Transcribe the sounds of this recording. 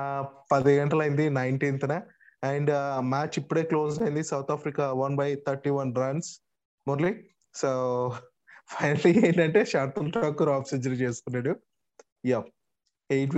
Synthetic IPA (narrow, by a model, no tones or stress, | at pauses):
pɐd̪iɡɐɳʈɐlɐjind̪inɐjɳʈiːnt̪ʰna | ɛɳɖmaːt͡ʃipːuɽe̞ːklo̞ːs̬ɐjind̪isɐwt̪ʰaːpɾikaʋɐnbɐjt̪ʰɐɾʈiːʋɐnɖɾaːɳɖs | moːɾli | so | pʰɐjnɐlieːɳʈɐɳʈe̞ːʂaːɾʈunʈaːkːuɾaːpsid͡ʒɐɾit͡ʃeːsu̥kunːaːɽu | ja | ejʈ